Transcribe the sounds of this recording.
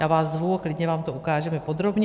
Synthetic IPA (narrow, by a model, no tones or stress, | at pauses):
jaːvaːszvuaklɪdɲɛvaːmt̪oukaːʒɛmɛpo̞d̪ɾo̞bɲ